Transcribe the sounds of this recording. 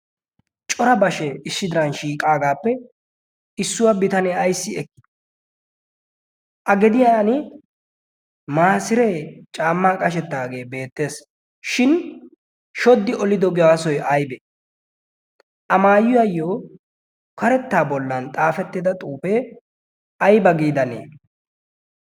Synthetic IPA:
t͡ʃʼɔɾɐbɐʃɛɪʃːɪd̪ɪɾɐnʃiːkʼaːɡaːpːɛ | ɪsːʊwɐbɪt̪ɐnɛɐjsːɪɛkːɪ̥ | ʔɐɡɛd̪ɪjanɪ | maːsɪɾɛt͡ʃʼaːmːaːkʼɐʃɛt̪ːaːɡe̞ːbe̞ːt̪ːe̞ːs | ʃɪn | ʃɔd̪ːɪʔɔlɪd̪ɔɡɪwaːsɔjʔɐjbɛ | ʔɐmaːjʊjɐjːoː | kɐɾɛt̪ːaːbɔlːɐnt̪ʼaːfɛt̪ːɪd̪ɐt̪ʼuːpeː | ɐjbɐɡiːd̪ɐnḛː

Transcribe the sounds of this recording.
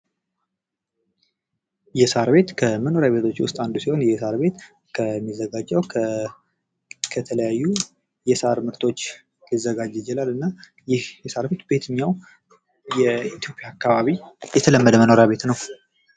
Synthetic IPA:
jɛsaɾbe̞t̪kʰəməno̞ɾjaβe̞t̪ʰo̞t͡ʃːwʊ̰st̪ʼand̪usiho̞njɛsaɾbe̞t̪ | kʰəmːizːəɡad͡ʒːɛw | kʰət̪ʰələjajːu | jɛsəa̰ɾmɨɾt̪ʰo̞t͡ʃː | lizːəɡad͡ʒɪd͡ʒɛlalɨnːa | jɪhjɛsaɾbe̞t̪be̞t̪ʰɨɲːaw | jɛit̪ʰjo̞pʼjaːkʰːaβaβijɛt̪ʰələmːəd̪əməno̞ɾjaβe̞t̪nəw

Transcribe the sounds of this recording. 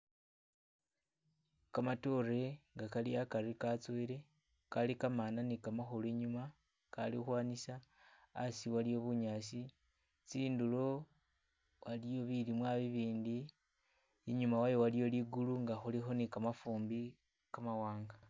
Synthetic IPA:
kamatore̞ŋɡakaliakaɾikat͡sweɾe̞ | kalikamananikamaxolueɲuma | kaliuxwaːnisaː | siwalijo̞βuɲaːsi | t͡siːndulo̞ | walijo̞βilimwaβiβiːndi | iɲumawajowalijo̞liɡuluŋɡaxulixo̞nikamafuːmbi | kamawaːŋɡa

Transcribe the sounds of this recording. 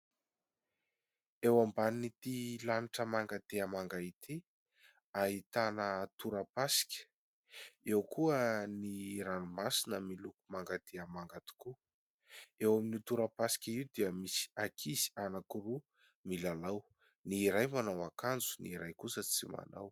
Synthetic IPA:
ewambanit̪ilaniʈ͡ʂəmaŋɡat̪eəmaŋɡait̪ʰi | ait̪anət̪uɾəpasi̥kʲə̥ | ewkuəniɾanumasinəmilukumaŋɡat̪ʰeəmaŋɡat̪u̥ku | ewaminit̪uɾəpasi̥kʲəiwd̪iəmisi̥akʰizi̥anakuru | milalaw | niːɾajmanawakand͡zuniiɾajkusət͡sima̰naw

